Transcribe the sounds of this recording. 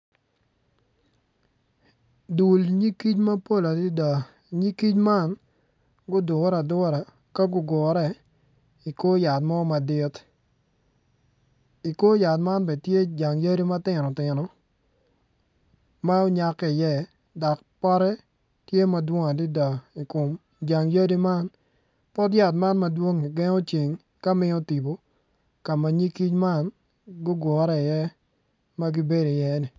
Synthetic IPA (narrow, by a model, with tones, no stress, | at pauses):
du˨lɲi˦ki˦t͡ʃma˦po˦la˨di˦da˨ | ɲi˦ki˦t͡ʃma˦n | ɡʊ˦dʊ˨˦ɾa˨dɔ˦ɾa˨ | ka˦ɡʊ˦ɡɔ˨ɾɛ˦ | i˨ko˦ja˨tmɔ˦ma˨dɪ˦t | i˨ko˦ja˨t̚ma˦nbɛ˨tje˦d͡ʒa˨ŋje˦ɾi˦ma˦tɪ˦nɔ˨tɪ˨nɔ˨ | ma˦o˦ɲa˦kːɛ˦ɪ˨jɛ˦ | da˨k̚ | pa˦ɾɛ˦ | tje˦ma˨dwo˦ŋa˨di˦da˨i˨kʊ˨m | d͡ʒa˨ŋjə˦di˦ma˦n | pɔ˦dja˨t̬ma˦nmɐ˦dwo˦ŋi˨ɡɛ˦ŋo˦t͡ʃi˨ŋ | ka˦mɪ˦ɔ˦ti˨bo˨ | ka˨ma˨ɲi˦ki˦t͡ʃma˦n | ɡʊ˦ɡɔ˨˦ɾɛ˦ɪ˨jɛ˦ | ma˦ɡi˦be˦do˨jɛ˦nɪ˨